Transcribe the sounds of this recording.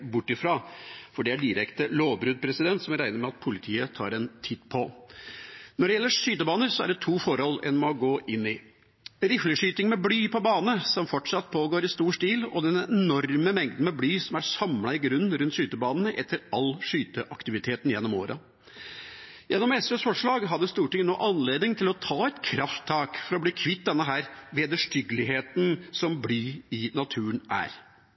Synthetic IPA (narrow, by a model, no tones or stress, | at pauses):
bʊʈːɪfɾɑːfɔɖɛæɖɪɾɛkt̪əloːʋbɾʉːd̪̚pʰɾɛsɪd̪ɛnt̪sɔmɾæɪnəɾmɛɑt̪̚pʰʊlɪt̪ʰiːət̪ʰɑ̰ːɾɛnt̪ʰiːt̪pʰɔ | nɔɖɛjɛlːəʂyːt̪əbɑːnəɾsɔæ̰ɖɛt̪ʰuːfɔɾhɔlɛ̰nmɔɡoːʔɪnːɪ | ɾɪfləʂyːt̪ɪŋmɛblyːpʰɔbɑːnənəsɔmfɔʈʂɑt̪ːpʰoːɡoːɾɪst̪uːʂt̪iːlɔd̪ɛnɛnɔɾməmɛŋd̪n̩mɛblyːsɔmæɾsɑmlɑɪɡɾʉnːɾʉnt̪ʂyːt̪əbɑːnən̩ʔɛt̪ʰːəɾɑlʂyːt̪əʔɑkt̪ɪʋɪt̪ʰeːt̪n̩jɛnːɔmo̰ːɾʔɑ̰ | jɛnːɔmɛsøsfɔʂɭɑːɡɦɑd̪ːəst̪uːʈɪŋːənoːʔɑnleːd̪nɪŋt̪ʰɪlɔt̪ʰɑːɛt̪kʰɾɑft̪ʰːɑːkfɔɾɔbliːkʰʋɪt̪̚ːd̪ɛnːəɦæːɾʋeːd̪əʂʈʏɡəlɪɦeːt̪n̩sɔmblyːɪnɑt̪ʰʉːənʔæ̰ːɾ